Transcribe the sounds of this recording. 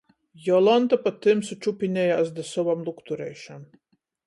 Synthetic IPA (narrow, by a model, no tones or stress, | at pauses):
jɔlˠɔnt̪apat̪ːɨmsut͡ʃupʲinʲɛjaːsd̪ɨsɔvamlˠukt̪uɾɛ̰jʃam